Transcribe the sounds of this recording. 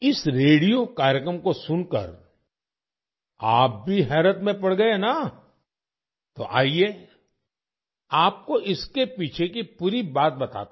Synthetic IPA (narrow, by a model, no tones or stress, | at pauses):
ɪsɾeːɽijokaːɾjəkɾəmkosʊnkə̰ɾ | aːp̚bʱiɦɛːɾət̪mẽpɐɽɡɐena | t̪oʔa̰ːie | aːp̚koʔɪskepiːt͡ʃʰekipuːɾibaːt̪̚bɐt̪a̰ːt̪ː